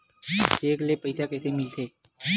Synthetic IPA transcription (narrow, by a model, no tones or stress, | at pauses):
t͡ʃeːkleːpəɪsaːkɛːseːmɪlt̪ʰeː